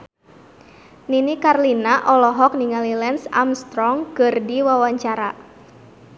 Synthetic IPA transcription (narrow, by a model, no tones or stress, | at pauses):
ninikarlinaʔɔlɔɦɔk̚niŋalilɛnsa̰mst̪ɾɔŋkɨrdiwawaɲt͡ʃaɾa